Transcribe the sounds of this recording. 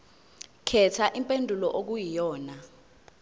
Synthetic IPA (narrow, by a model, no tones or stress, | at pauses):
kʰɛtʰaʔimpʼendʱulɔʔok̬ujijɔːna